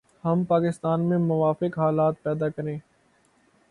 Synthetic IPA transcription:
hɐmpaːkɪst̪aːnmẽmʊʋaːfɪkɦaːlaːt̪̚pɛːd̪akɐɾẽː

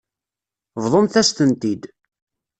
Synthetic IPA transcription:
vðˤomθæst̪ənt̪id̪

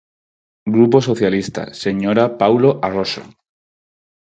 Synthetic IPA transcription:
ɡɾupo̞soθjalist̪a̰se̞ɲoɾapawlo̞ʔaroso̰

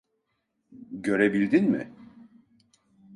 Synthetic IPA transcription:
ɟø̞ɾebilʲd̪inmɪ̰

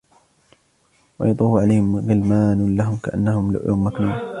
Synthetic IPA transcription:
wɑjɑt̪ˤuːfʕalajhɪmɣɪlmaːnlaɦʊmkaʔa̰nːahʊml̰ʔa̰mːaknuːm

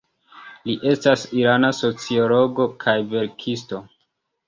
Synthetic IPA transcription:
liʔe̞stasiɾanaso̞t͡sio̞lo̞ɡo̞kʰajve̞ɾkʰisto̞

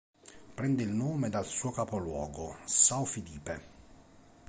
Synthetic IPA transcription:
pɾɛnd̪eilnoːmed̪alsuːokapolwɔ̰ːɡosawfidiːpe

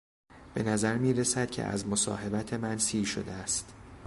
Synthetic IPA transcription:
b̥e̞næzæɾmiːɾesæd̪̥cʰe̞̰ʔæ̰zmosɒ̰ːɦe̞bæt̪ʰemænsiːʃo̞̰d̪eæst̪

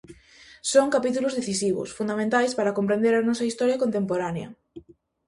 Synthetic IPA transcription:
soŋkapit̪ulʊzðeθisiβʊ̰sfund̪amẽnt̪ajspaɾɐkompɾẽnd̪eɾɐnɔsɐist̪ɔɾjɐkont̪empoɾaneɐ̰

